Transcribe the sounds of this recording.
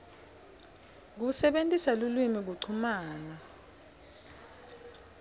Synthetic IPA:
k̬usɛɓentʼisalulwimik̬uǀʰumaːna

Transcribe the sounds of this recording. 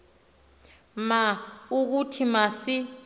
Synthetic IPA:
mauk̬utʰimasi

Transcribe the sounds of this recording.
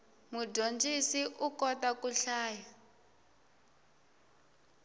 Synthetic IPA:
muɟont͡ʃʼisiʔukɔtakuɬaːja

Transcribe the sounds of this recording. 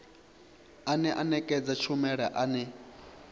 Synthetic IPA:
anɛʔanɛkʼɛd͡zat͡ʃʰumɛɺɛʔanɛ

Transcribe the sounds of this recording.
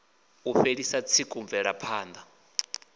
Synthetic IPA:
uɸeɺisat͡sʰikʼuɱvɛɺapʰaːnd̪a

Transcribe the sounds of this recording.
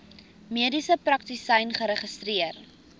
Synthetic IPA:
miədisəprɐk̚tisɐjnχəɾəχəstriər

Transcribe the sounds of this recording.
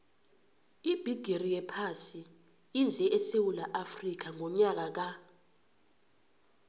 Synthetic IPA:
ib̥ʱiɡ̥ʱerijɛpʰasi | ind͡zʱɛʔɛsewulaʔafrik̬aŋʱɔɲak̬ak̬a

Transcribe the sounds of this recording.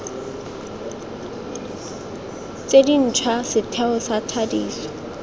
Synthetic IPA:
t͡sedin̩t͡ʃʰwasɪtʰɛʊsatʰadiːsɔ̥

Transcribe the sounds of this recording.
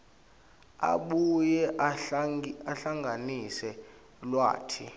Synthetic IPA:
a̰ɓujɛ | aɬaŋɡʱanisɛ | lwa̰ːtʰi

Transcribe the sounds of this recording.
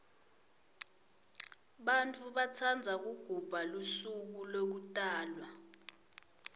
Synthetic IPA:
ɓantʼuɓat͡sʰand͡zʱak̬uɡ̥ʱub̥ʱalusuk̬ulok̬utʼaːlwa

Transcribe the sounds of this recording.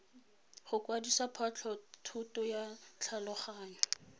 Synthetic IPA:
χʊkwadisapʰat͡ɬʰɔtʰutʊjat͡ɬʰalʊχaːɲɔ

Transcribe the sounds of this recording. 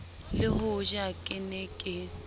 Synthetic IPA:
lɪɦʊʒɪakʼɪnɛkʼɪ

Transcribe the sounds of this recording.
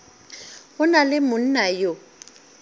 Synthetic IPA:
ɣʊnalɪmʊn̩najʊ

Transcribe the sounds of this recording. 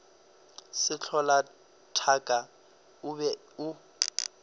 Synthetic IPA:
sɪt͡ɬʰɔla | tʰakʼa | ʊbɛ | ʊ

